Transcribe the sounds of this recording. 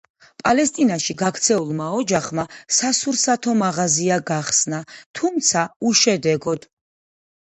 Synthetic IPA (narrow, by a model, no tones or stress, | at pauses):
pʼalɛst̪ʼinaʃiɡakʰt̪sʰɛulˠmaɔd͡ʒaχmasasuɾsat̪ʰɔmaʁaziaɡaχsnat̪ʰumt̪sʰauʃɛd̪ɛɡɔd̪̥